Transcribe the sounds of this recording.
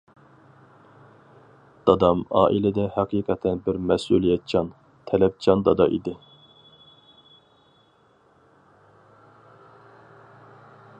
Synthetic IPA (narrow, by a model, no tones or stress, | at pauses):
d̪̥ɑd̪ɑmɑ̰ːʔilɪd̪ɛhɑqʰiːqʰɛt̪ʰɛnbɪɾmɛsulˠijɛt̪̚t͡ʃʰɑn | t̪ʰɛlɛp̚t͡ʃʰɑnd̪ɑd̪ɑʔḭd̪ɪ